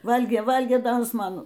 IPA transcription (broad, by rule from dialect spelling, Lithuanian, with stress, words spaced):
ˈʋɐlʲɡʲeː ˈʋɐlʲɡʲeː ˈdɐ ˈjɪs ˈmɐn